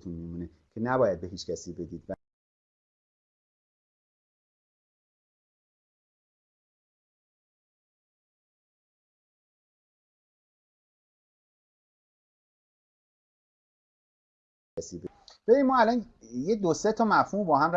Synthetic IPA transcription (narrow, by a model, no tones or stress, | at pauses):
t̪ʰunmimuːnecʰe̞næbɒːjæd̪̚beɦiːt͡ʃcʰæsiːbe̞d̪iːd̪̥væ | æsiːbe | b̥eɾiːmɒːælɒːnjed̪oset̪ʰɒːmæfhuːmbɒːhæmr